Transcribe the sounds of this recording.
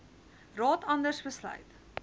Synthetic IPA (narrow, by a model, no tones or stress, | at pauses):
rɑːtʰɐndərsbəslœ̰ɥt